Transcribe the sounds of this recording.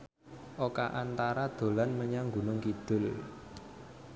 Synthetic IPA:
ʔoka̰ʔant̪aɾad̪̥o̤lanməɲaŋɡṳnʊŋkid̪̥ʊ̤l

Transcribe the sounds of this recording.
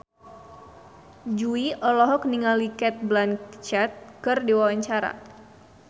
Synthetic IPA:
d͡ʒuiʔɔlɔɦɔk̚niŋalikɛt̪̚blankt͡ʃɛt̪̚kɨrdiwawaɲt͡ʃaɾa̰

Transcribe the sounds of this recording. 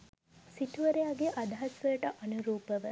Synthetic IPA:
sit̪uʋəɾejaɡeʔad̪aɦɐsʋələʈəʔɐnuɾuːpəʋə

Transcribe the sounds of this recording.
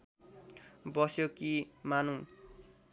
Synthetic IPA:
bʌsjokimanũ

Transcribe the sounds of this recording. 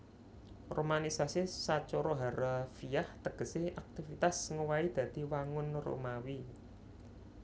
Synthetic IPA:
romanisasisat͡ʃoɾɔɦaɾafijaht̪əɡ̥ə̤seʔak̚t̪ifit̪asŋuwaid̪̥ä̤d̪̥i̤waŋʊnro̰mawi

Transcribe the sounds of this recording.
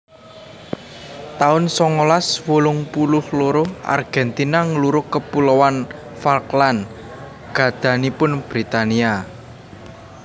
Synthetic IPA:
t̪aʊnsɔŋolaswolʊŋpulʊhloɾʊʔa̰rɡ̥ɛnt̪inaŋəluɾʊkəpulowan | falklan | ɡ̥ä̤d̪̥ä̤nipʊnb̥ɾit̪ania

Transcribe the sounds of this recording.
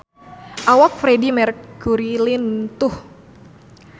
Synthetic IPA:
ʔawak̚fɾedimɛrkɡuɾilɪnt̪ʊh

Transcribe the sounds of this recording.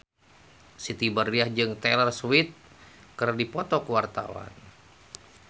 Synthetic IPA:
sit̪ibəriahd͡ʒɨŋt̪ɛlərswit̪̚ | kərdipɔt̪ɔkəwart̪a̰wa̰n

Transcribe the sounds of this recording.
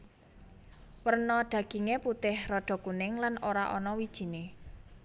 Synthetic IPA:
wərnɔɖ̪̥ä̤ɡ̥i̤ŋeput̪ɪhrɔɖ̥ɔ̤kunɪŋlanoɾa̰ʔɔ̰nɔwid̥ʒ̥i̤ne

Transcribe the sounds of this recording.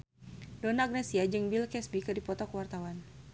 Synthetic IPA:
dɔnaːɡ̚nɛsiad͡ʒɨŋbilkɛsbikɨdipɔt̪ɔkəwart̪awan

